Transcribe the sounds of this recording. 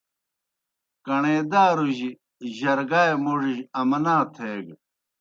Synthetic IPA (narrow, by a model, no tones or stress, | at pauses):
kɐɳeːd̪aːɾuʑi | ʑɐɾɡaːjmuʐiʑɐmɐnaːt̪ʰeːɡ